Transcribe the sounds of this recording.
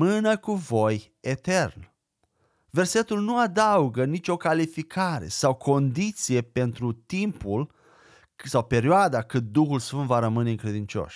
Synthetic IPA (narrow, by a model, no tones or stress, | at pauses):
ɨnəkuvo̞j | e̞t̪e̞rn | ve̞rse̞t̪ulnuad̪auɡənit͡ʃʲo̞kalifikʰaɾe̞̰sawkʰo̞nd̪it̪sije̞pe̞nt̪ɾut̪impul | sawpe̞ɾioad̪akɨt̪̚d̪uxulsfɨnt̪vaɾəmɨne̞ɨŋkɾe̞d̪int͡ʃo̞̰ʃ